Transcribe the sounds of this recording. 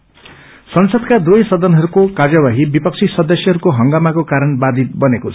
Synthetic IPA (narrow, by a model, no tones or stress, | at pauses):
sʌnsʌd̪kad̪ujsʌd̪ʌnɦʌɾukokad͡zawaɦibipʌk̚t͡sʰisʌd̪ʌsjʌɦʌɾukoɦʌŋɡamakokaɾʌnbad̪ʱit̪̚bʌnekot͡sʰ